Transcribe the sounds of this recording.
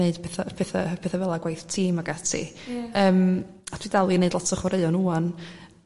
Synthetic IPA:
eɨdpʰɛθapʰɛθa̰pʰɛːθavɛlˠaɡwajθtʰiːmaɡatʰḭəːm | atʰwidalˠineɨdlɔtʰəχwaɾeɔnuːɔn

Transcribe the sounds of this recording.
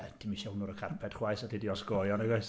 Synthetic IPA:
d̥imiʃɛwnʊɾəkʰarpʰɛd̥χwajsatʰidiɔsɡɔːjɔnəɡajs

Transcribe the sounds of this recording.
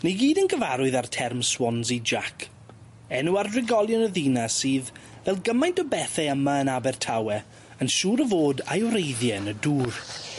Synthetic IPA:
neɡiːdənɡəvaɾʊɨðartʰɛrmswɔnzid͡ʒakʰ | ɛnuarrɪɡɔlˠjɔnəðinasiːð | vɛlˠɡəmajntəbɛθɛəmaənabɛrtʰawɛ | ənʃuːɾəvoːdajwɾejðjɛnəduːr

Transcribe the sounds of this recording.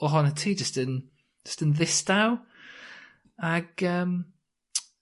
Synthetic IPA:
ɔɦɔnətʰiːd͡ʒəstən | d͡ʒ̥ə̥stənðɪsd̥aw | aɡ̥əːm

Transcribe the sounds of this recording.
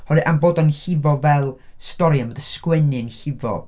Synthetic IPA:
hɔlˠɨʔanboːdanhɪvɔvɛlˠstɔɾiəmədəskwɛnɨnɬɪvɔ̰

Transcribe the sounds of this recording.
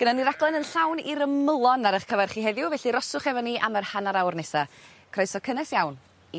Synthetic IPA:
ɡ̥ənaniɾaɡlˠɛnənɬawniɾəməlˠɔnaɾəχkʰəvarχiːɦɛðjʊvɛɬiɾɔsʊχɛvɔniʔamərhanaɾawrnɛsa | kʰr̥ɔjsɔkʰənɛsjawn | i

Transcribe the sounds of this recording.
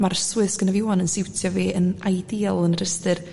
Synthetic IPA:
marswɨsɡ̥ənaviɔːnənsɪwtʰjɔviːənajdiːalˠənrəstɨr

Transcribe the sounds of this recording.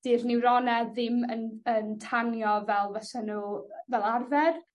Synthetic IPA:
d̥iːrnɪwɾɔnɛðɪmənəntʰanjɔvɛlˠvasɛnuːvɛlˠarvɛr

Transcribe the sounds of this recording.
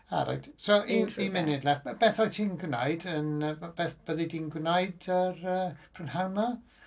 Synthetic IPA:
a̰ɾa̰jd̥sɔʔiimɪnɪdlɛχbɛθɔltʰiːnɡwna̰jdənəb̥ɛθb̥əðɪdiːnɡwnajdərəpʰrənharma

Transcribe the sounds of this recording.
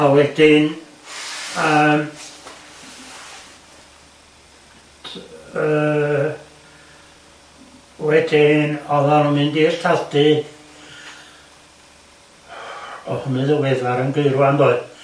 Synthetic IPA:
awɛdɪn | əːm | ə | wɛdɪnɔðanɔmɨndiːstʰaldɨ | ɔhʊnɨðəwɛðaɾənɡəɨɾwandoɨ

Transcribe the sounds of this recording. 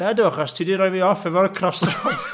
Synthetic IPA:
ɛdʊχastʰidiɾɔjviɔfɛvɔɾəkʰrɔsrɔd̥

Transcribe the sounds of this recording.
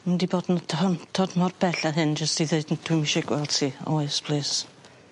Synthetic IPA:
məndibɔdn̩ətʰɔntʰɔdmɔrbɛɬaɦɨnd͡ʒəstiðeɨdndʰʊmɪʃɛɡwɛlˠd̥tʰiɔ̰ɨspʰlˠɨːs

